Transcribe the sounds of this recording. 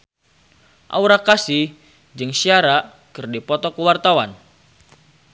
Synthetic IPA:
ʔa̰uɾakasɪh | d͡ʒɨŋsiaɾa | kɨrdipɔt̪ɔkəwart̪awan

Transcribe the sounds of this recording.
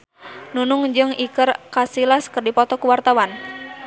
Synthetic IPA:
nunʊŋd͡ʒɨŋikərkasilaskɨrdipɔt̪ɔkuwart̪awan

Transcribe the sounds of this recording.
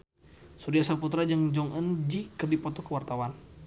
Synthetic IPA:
suɾiasaput̪ɾad͡ʒəŋd͡ʒɔŋʔənd͡ʒikərdipɔt̪ɔkəwart̪awan

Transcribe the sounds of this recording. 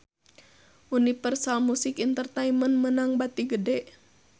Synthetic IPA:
ʔunipərsalmusikint̪ərt̪aimənmənaŋbat̪iɡədɛʔ

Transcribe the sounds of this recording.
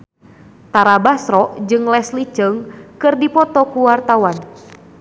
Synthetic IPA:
t̪aɾabasɾɔʔd͡ʒɨŋlɛslit͡ʃəŋkɨrdipɔt̪ɔkuwart̪awan

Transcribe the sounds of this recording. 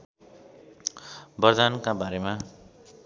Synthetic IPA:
bʌrd̪ankabaɾema

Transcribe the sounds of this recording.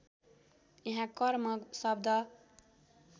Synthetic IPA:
jeɦãkʌɾmʌsʌb̚d̪ʱʌ

